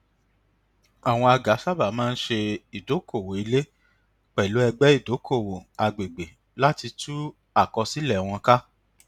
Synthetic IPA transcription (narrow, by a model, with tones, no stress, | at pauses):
a˨w̃ɔ̃˧a˧ɡa˨˦ʃa˦ba˦˨mãː˦n̩˦ʃe˧i˨do˨˦ko˦˨wo˨i˨˧le˦ | k͡pɛ˨lu˨˦ɛ˧ɡ͡bɛ˦i˦˨do˨˦kʰo˦˨wo˨a˨ɡ͡be˨ɡ͡be˨ | la˦ti˧tu˦ | a˦˨kɔ˧si˦lɛ˦˨w̃ɔ̃˧ka˦